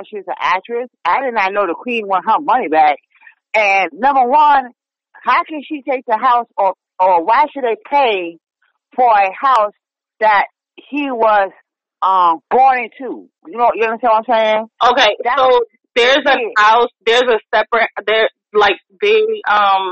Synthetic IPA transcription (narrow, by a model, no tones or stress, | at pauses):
ʃiʌzə̰ʔæ̰k̚t͡ʃɹ̥ɨsaɪɾɪdⁿn̩aɪnoʊðəkʰw̥ĩnwə̃n̚ɦʌ̃vmʌnibæk̚ | ɨ̃nːʌ̃mbə˞wʌ̃n | haʊkɨ̃nʃitʰeɪk̚ðɨɦaʊsə˞ | ə˞waɪʃɨd̚eɪpʰeɪ | fə˞ɨhaʊs | ðɨt̚ | hiwʌz̥ | ʌ̃mb̥ɔ̃ɪ̃ŋtʰu | jɨnoʊwʌt͡ʃəɡʌnəseɪwʌaɪ̃mseɪɪɪ̃ŋʔoʊkeɪðoʊ | ðə˞zɨhaʊsðə˞zɨsɛpɹɨt̚ðə˞ | laɪk̚ðeʌ̃m